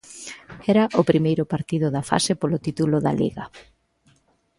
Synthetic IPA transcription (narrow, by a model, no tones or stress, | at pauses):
ɛɾɐʔʊpɾimejɾʊpaɾt̪iðʊðɐfa̰sɪpolʊt̪it̪ulʊðɐ̰lḭɣɐ